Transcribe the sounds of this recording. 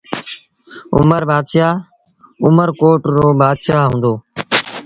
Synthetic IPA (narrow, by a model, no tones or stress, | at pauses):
ʊ̰məɾbaːd̪ʃaː | ʊməɾkoːʈɾoːbaːd̪ʃaːɦũːnd̪oː